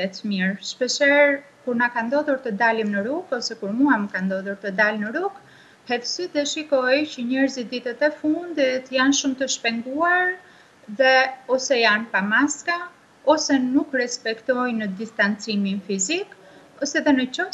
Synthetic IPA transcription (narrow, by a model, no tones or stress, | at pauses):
ɛt̪miɾʃpəʃɛɾ | kuɾnakand̪ɔðuɾt̪əd̪alimnəɾukɔsɛkuɾmuamkand̪ɔðuɾt̪əd̪alnəɾuk | hɛt̪əsid̪əʃikɔjcəɲɛɾzid̪it̪ɛt̪ɛfund̪it̪janʃumt̪əʃpɛnd̪uaɾ | ðɛɔsɛjanpamaska | ɔsɛnukrɛspɛkt̪ɔjnəd̪ist̪ant͡siminfizik | ɔsɛðɛnət͡ʃɔ